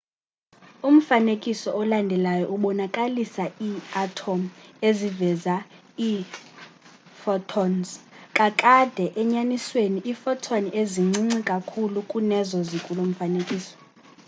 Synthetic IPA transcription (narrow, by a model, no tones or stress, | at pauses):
um̩fanekʼisɔɔlandʱɛlajɔʔuɓɔnakʼalisaiatʰomezivɛza | i | fɔtʰɔnzkʼakʼad̥ʱɛʔɛɲanisweniʔifɔtʰɔnieziŋ͡ǀiŋ͡ǀikʼakʰulukʼunɛzɔzikʼulom̩fanekʼiːsɔ̥